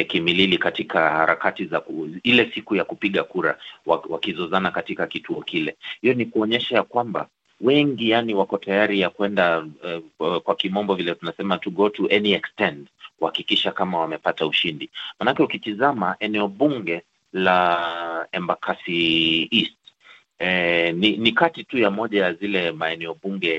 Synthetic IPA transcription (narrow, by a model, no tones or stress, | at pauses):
kimililikatikʰahaɾakatizakuilɛsikujakupiɠakuɾa̰wawakizɔzanakatikakituɔkilɛhijɔnikuɔɲɛʃajakwamba̰ | wɛŋɡijaniwakɔtʰajaɾijakwɛnda | kwakimɔmbɔvilɛtunasɛmatuɠɔtuʔɛniɛkstɛntkuhakikiʃakamawamɛpatauʃindimanakɛukitizamaʔɛnɛɔɓuŋɡɛ | la | ɛmbakʰasiist | ɛninikatitujamɔʄajazilɛmaɛnɛɔɓuŋɡɛ